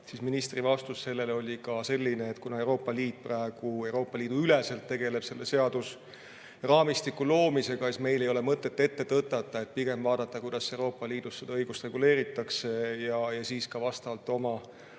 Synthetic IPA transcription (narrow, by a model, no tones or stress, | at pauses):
siːsminist̪rivɑst̪usse̞lːe̞leo̞lʲikɑse̞lʲːineːt̪kunɑe̞wɾo̞ːpːˑɑliːt̪̚ːˑprɑeɡ̥ue̞wɾo̞ːpˑːɑliːd̪̥uylɛse̞lt̪ːeɡ̥e̞le̞b̥se̞lːe̞se̞ɑd̪̥us | rɑːmist̪ikːulo̞ːmise̞ɡ̥ɑesme̞jlejo̞le̞mɤt̪ːˑe̞t̪ːe̞t̪ːe̞t̪ɤt̪ːɑt̪ˑːɑe̞t̪̚piɡ̥e̞mbvɑːd̪̥ɑt̪ːɑkujd̪̥ɑsːe̞wɾo̞ːpˑːɑliːd̪̥usse̞d̪ɑɤjɡ̥ust̪re̞ɡule̞ːɾit̪ːˑɑkse̞jɑjɑsiːskɑvɑst̪ɑvɑlt̪ːˑo̞mɑ